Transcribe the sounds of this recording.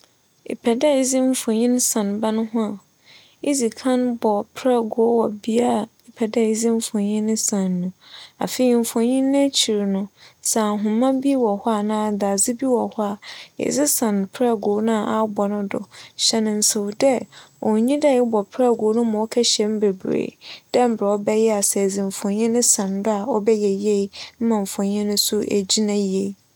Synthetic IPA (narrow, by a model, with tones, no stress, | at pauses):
ɪ̰˨pʰɛ˨dɛ˦i˦zĩ˦m̩˦fɔ̃˨ɲĩ˦n˦sã˨nbã˦nʊ̃˦ɦʊ̃˦a˨ | ɪ˦zi˨kʰã˦nbɔ˨pʰɾɛ˦˨ɡʊ˨˦wɔ˨bi˦a˦˨ɪ˦pʰɛ˨dɛ˦˨i˦zĩ˦m˦fʊ̃˨ɲĩ˦nɪ̃˦sã˨nːʊ̃˨a̰˨fe˨i˨m̩˨fʊ̃˨ɲĩ˦nːɪ̃˦t͡ɕʰi˨ɾnʊ̃˦sa˨ɦʊ̃˨mːã˦bi˦wɔ˨hɔ˦a˨nãː˦˨da˨zɪ˦bi˦wɔ˨hɔ˦a˨jɛ̰˨zɪ˦sã˨n˨pʰɾɛ˦ɡo˨˦nã˦˨ʔa˦bɔ˨nʊ̃˦dʊ̰˨ɕɛ˦nɪ̃˨n̩˨so˨wdɛ˦ɔ˨ɲĩ˦dɛ˦˨ɪ˦bɔ˨pʰɾɛ˦˨ɡo˨˦nʊ̃˦mã˨ɔ˦kʰɛ˦ɕɛ̃˦m˦be˨bɾḛː˨d̥ɛ˦m̩˦bɛ˨ɔ˦bɛ˦jɛ˦a˨sɛ˨d͡zɪ̃˨ɱ˨fɔ̃˨ɲĩ˦nʊ̃˦sã˨ndʊ˦a˨ɔ˦bɛ˦jɛ˨je˦i˦m̩˦mã˨ɱ̩˨fɔ̃˨ɲĩ˦nʊ̃˦sʊ˦ʔḛ˨d͡ʑi˦nã˦je˦˨i˨